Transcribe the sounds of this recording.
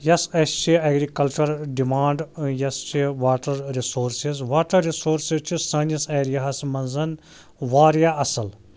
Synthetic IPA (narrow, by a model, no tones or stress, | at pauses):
jɐsɐst͡ʃʰiɐːɡɾikɐlt͡ʃɐɾɖimaːɳɖjɐst͡ʃʰiʋaːʈɐɾɾisoːɾsizʋaːʈɐɾːisoːɾsizt͡ʃʰisɐːniseːɾijaːsmɐnzɐn | ʋaːɾjaːɐsɐl